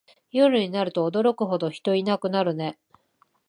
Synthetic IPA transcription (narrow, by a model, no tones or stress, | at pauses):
jo̞ɾɯ̟ɲ̟inaɾɯ̟t̪o̞ːd̪o̞ɾo̞kɯ̟ɦo̞d̪o̞çi̥t̪o̞inakɯ̟naɾɯ̟ne̞